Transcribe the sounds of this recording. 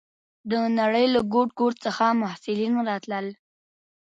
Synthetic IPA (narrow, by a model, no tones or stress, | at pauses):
d̪ənaɽəjlaɡoʈ̚ɡoʈt͡səxamʊhsɪlinɾɑt̪ləl